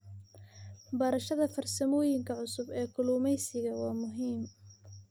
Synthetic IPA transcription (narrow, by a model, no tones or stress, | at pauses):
bɐɾɐʃɐðɐfɐrsɐmɔːjɪŋkʰɐʕʊsʊbɛːkʰʊluːmɛjsɪɣɐwɑːmʊɦiːm